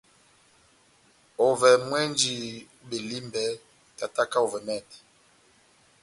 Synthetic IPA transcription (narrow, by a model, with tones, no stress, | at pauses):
o˨vɛ˨mwɛ˦nd͡ʒi˨ | be˨li˦mbɛ˨ | ta˨ta˦ka˦o˨vɛ˨mɛ˦˨t